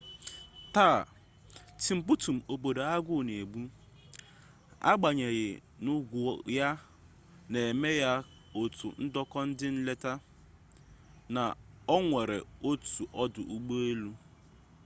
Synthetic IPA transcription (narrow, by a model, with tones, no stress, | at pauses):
taː˦˨ | tɪ˨m̩˨bu˦tu˨m̩˨o˨bo˨do˨a˦ɡʷʊ˦˨ne˨ɡ͡bu˦ | a̰˦ɡ͡ba˨ɲe˨ɣɪ̰˨nʊ˦ɡʷʊ˨ja˦ | ne˨e˨me˦ja˦ | o˨tṵ˨n̩˦dɔ˦kɔ˦n̩˦dɪ˦n̩˦le˦ta˦ | na̰˨ɔ˦ŋʷe˨ɾḛ˨o˦tu˨ʔɔ˦dʊ˨ʔu˦ɡ͡bo˦e˦lu˦